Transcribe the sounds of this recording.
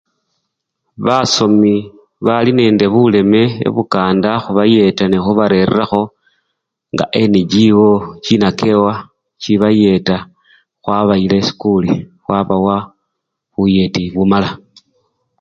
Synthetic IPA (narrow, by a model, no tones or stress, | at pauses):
βaso̞mi | βaline̞ːnde̞βule̞me̞ḛβukaːndaxuβaje̞tanixuβaɾe̞ɾḛraxo̞ | ŋɡa̰ʔeniɟiwo̞t͡ʃinake̞wa | t͡ʃiβaje̞ta | xwaβailesi̥kulixwaβawa | βuje̞tiβumala